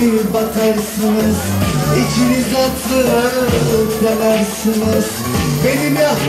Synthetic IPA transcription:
ibakʰaɾsɯnɯz̥it͡ʃinizat̪lˠɯɾaɾd̪elæɾsɯnɯz̥ | be̞nimia

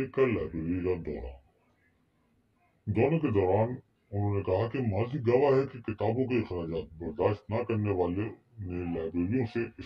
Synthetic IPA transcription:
ekalaːɪbɾeːɾikad̪ɔ̰ːɾa̰ː | d̪oːnõked̪ɔːɾaːn | ʊnɦõːnekɐɦakemaːziɡɐʋaɦɛkekɪt̪aːbõkiɪxɾaːd͡ʒaːt̪̚bɐɾd̪aːʃt̪nɐkɐɾneʋaːle | nelaːɪbɾeːɾijõseɪ

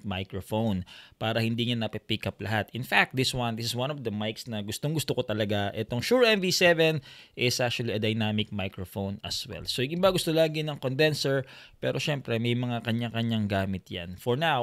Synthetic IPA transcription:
majkɹofownpaːɾɐhɪnd̪iɲanɐpipikɐplɐɦat̪ɪnfak̚t̚d̪ɪswɐnd̪ɪsɪswãnɔvd̪ɐmajksnɐɡʊst̪oŋɡʊst̪okot̪ɐlɐɡaʔɛt̪oŋʃuɹɛnvisɛvɛnʔɪsʔak̚t͡ʃʊɐliʔɐd̪ɐjnamɪk̚majkɹofownɐ̰swɛ̰lsoʔɪɡɪbaɡʊst̪olaːɡɪnɐŋkond̪ɛnsɛɹpɛːɾʔo̞ʃɛmpɾɛmɐjmɐŋakɐɲakɐɲaŋɡaːmɪt̪̚ja̰nfɔɹnaw

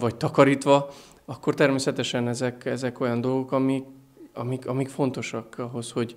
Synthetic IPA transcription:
vɒc̚t̪ɒkɒɾiːt̪ʋɒ | ɒkːo̞rt̪ɛrmeːsɛt̪ɛʃɛnɛzɛkɛzɛko̞jɒnd̪o̞lɡo̞kɒmik | ɒ̰mikɒmikfo̞n̪t̪o̞ʃɒkɒɦo̞sho̞ɟ

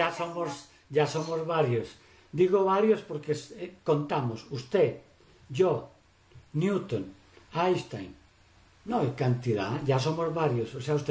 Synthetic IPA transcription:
asomos | ʝasomozβaɾjos | d̪iɣoβaɾjospoɾkeskont̪amosust̪e | ʒo | njut̪on | ajst̪ajn | nõajkant̪iða̰ʝas̬omozβaɾjososeaust̪e

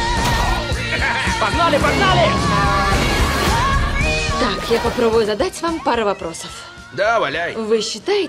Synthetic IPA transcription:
pɐɡnalʲɪpɐɡnalʲɪ | t̪akjapɐpɾɔbʊjʊzɐd̪at͡sʲvampaɾɐvɐpɾʔɔsɐf | d̪abɐlʲajvɨɕːɪt̪ajɪ

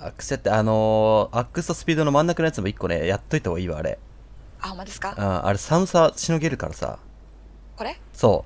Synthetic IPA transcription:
a̰kːɯ̥sɨjat̪ːeano̞akːɯ̟sɨ̥t̪osɨ̥pʲiːd̪o̞no̞mãnːakɯnojat͡sɨmo̞ikːo̞ne̞̰jat̪ːo̞it̪aoɡaiːβa̰ːɾḛ | amad̪eskaɯ̟̃ːʔa̰ɾe̞samɯ̟saɕino̞ɡe̞ɾɯ̟kaɾasa̰ | koɾe | so̞ː

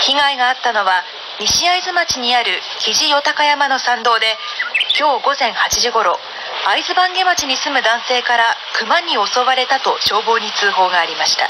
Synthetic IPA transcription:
çiɡaiɡaːt̪ːano̞βa | ɲʲiɕiaizɨmat͡ɕiɲ̟iaɾɯ̟ | kʲiʑijo̞t̪akajamano̞sãnd̪o̞ːd̪e̞kʲo̞ːɡo̞zẽ̞ɰ̃hat͡ɕiʑiɡo̞ɾo̞ | aizɨbãŋɡe̞mat͡ɕiɲ̟isɨmɯ̟d̪ãɰ̃se̞ːkaɾakɯ̟maɲ̟ːio̞so̞baɾe̞t̪at̪o̞ɕo̞ːbo̞ːɲ̟it͡sɨːɦo̞ːɡaːɾʲimaɕi̥t̪a̰

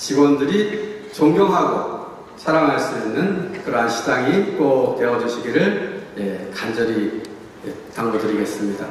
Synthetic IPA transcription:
t͡ɕibwʌndɯɾit͡ɕoŋɡjoŋɦaɡo̰ | t͡ɕʰaɾaŋɦaɭs͈uinːɯnkɯɾʌaɕʰi̥daŋik͈ote̞ʌd͡ʑuɕʰiɡiɾɯɭjekand͡ʑʌɾi | etaŋɡodɯɾiɡe̞s͈ɯmɲida

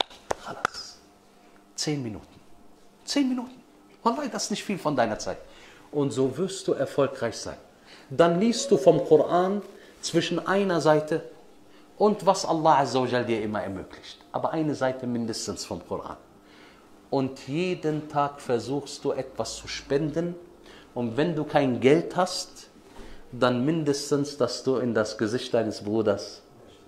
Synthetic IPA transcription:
xalas | t͡seːnminṵːtn̩ | t͡seːnminuːtn̩ | valːaɪdaɪ̥snɪçtfiːlfɔndaɪnɐt͡saɪtʔʊntz̥oːvɪɐstd̥uːʔɛɐfɔlkʁ̥aɪçz̥a̰ɪn | danliːstd̥uːfɔmkʰʊʁʔaːn | t͡sv̥ɪʃn̩ʔaɪnɐzaɪtʰə | ʔʊntvasʔa̰lːɑːʔazaad͡ʒɛldiːɐʔɪmɐɛɐmøːkʰlɪçtʔa̰ːbɐʔaɪnəzaɪtʰəmɪndəstən̩sfɔmkʰʊʁʔa̰ːn | ʔʊntʰjeːdəntʰaːkfɛɐzuːxstd̥uːʔɛtv̥ast͡suʃpɛndən | ʔʊntvɛnduːkʰaɪnɡɛlthast | d̥anmɪndəstənsd̥asd̥uːɪndasɡ̥əzɪçt̚d̥aɪnəsb̥ʁuːdɐs

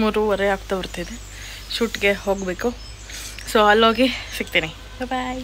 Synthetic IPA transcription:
muːɾuʋɐɾeaːɡ̚t̪abiɾt̪ajd̪e | ʃuːʈɡeɦoːɡbeːku | soːɐlːoːɡisik̚t̪iːni | bbaj

